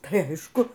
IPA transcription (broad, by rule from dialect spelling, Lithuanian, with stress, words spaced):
tɐɪ ˈɐɪʃkʊ